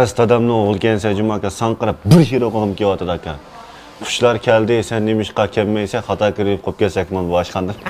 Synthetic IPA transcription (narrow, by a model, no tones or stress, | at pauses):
ɨst̪ʰɑd̪ɑmnɨoʁʊlˠkʲɛnsɛd͡ʒumɑkʲɑsɑŋqəɾɑp̚bɪɾɦiɾoʁəʁɨmkʲewɑt̪ʰɨd̪ɑkʲʰɑn | qʰʊ̥ʃlˠɑɾkʲʰɛld̪ɪsɛnːemɪʃqɑkʲʰɛmːɛjsɛχɑt̪ʰɑːkʲiɾɪp̚qʰop̚kʲɛsɛkʲmɑnboɑʃqɑnd̪ɨm